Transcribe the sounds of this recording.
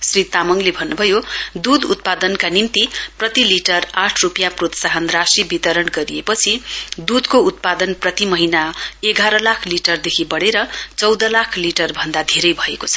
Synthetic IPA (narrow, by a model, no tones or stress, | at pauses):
srit̪amʌŋlebʱʌnːubʱʌjod̪ud̪ṵt̪̚pad̪ʌnkanimt̪iprʌt̪iliʈʌraʈʰrupjaprot̪saɦʌnrasibit̪ʌɾʌnɡʌɾijepʌt͡sʰid̪ud̪kout̪̚pad̪ʌnprʌt̪imʌɦinaeɡaɾʌlakʰliʈʌrd̪ekʰibʌɽeɾʌt͡sʌwd̪ʌlakʰliʈʌrbʱʌnd̪ad̪ʱeɾʌjbʱʌekot͡sʰʌ̥